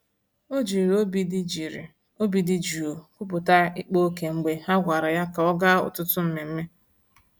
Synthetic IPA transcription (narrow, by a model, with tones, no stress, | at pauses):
o˦d͡ʒi˨ɾo˦bi˦di˨ɾ | o˦bi˨dɪ˦d͡ʒu˨o˨kʷʊ˦p̬ʊ˨ta˦ɪ˦k͡po˦ke˨ŋ͡m̩˨ɡ͡be˨ha˦ɡʷa˨ɾa˨ja˦ka˨ɔ˦ɡa˦ʊ̰˨tʊ˦tʊ˦m̩˦me˨m̩˦me˦